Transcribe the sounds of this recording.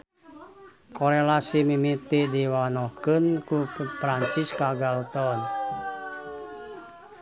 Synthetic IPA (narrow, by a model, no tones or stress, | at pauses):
koɾelasimimit̪idiwanɔhkənkupɾaɲt͡ʃiskaɡalot̪ɔn